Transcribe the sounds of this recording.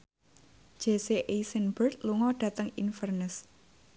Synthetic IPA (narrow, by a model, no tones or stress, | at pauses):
d͡ʒ̥e̤seʔesənb̥ərt̪̚luŋɔɖ̥ä̤t̪əŋinfərnəs